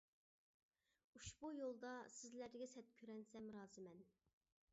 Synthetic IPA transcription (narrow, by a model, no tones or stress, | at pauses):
uʃbujolˠd̪ɑsɪzlæd̪ɡʲɛsɛt̪̚kʲʰøɾɛnsɛmɾɑːzɨmɛn